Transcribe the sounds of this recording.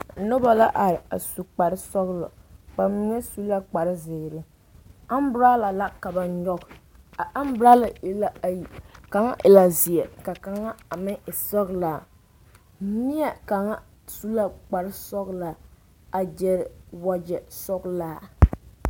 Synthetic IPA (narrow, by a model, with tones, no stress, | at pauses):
nʊ˦ba˨la˦ʔa˨a̰˨su˨k͡pa˨ɾɪ˦sɔ˦ɣlʊ̰˨k͡pa˨mɪ˦ŋɛ˦su˦la˦k͡pa˨ɾɪ˦zɪː˨ɾɪ˦ | a˦m˦bɾa˦la˨la˦ka˨ba˨n˦ɲɔ˦ka˦m˦bʊ˨ɾa˦la˨la˦˨i˨ka˨ŋa̰˦ʔɪ˨la˨zi˨ɛ˨ka˨ka˨ŋa˦a˨mɪ˦ŋʔɪ˨sɔ˦ɣla˨˦ | ni˦ɛ˨ka˨ŋa˦ | su˦la˦k͡pa˨ɾɪ˦sɔ˦ɣla˨ | a˨d͡ʒɛ˦ɾɪ˨wa˦d͡ʒɛ˨sɔ˦ɡlaː˦˨